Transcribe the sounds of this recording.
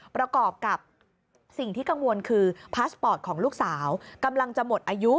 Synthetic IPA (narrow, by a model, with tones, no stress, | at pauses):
pɾa˧kɔː˨˩p̚ka˨˩p̚ | si˨˩ŋt̪ʰiː˥˩ka˧ŋwo˧nkʰɯː˧pʰaː˦˥spɔː˨˩t̪̚kʰɔː˩˦ŋluː˥˩k̚saː˩˦wka˧mla˧ŋt͡ɕa˨˩mo˨˩t̪̚ʔaː˧ju˦˥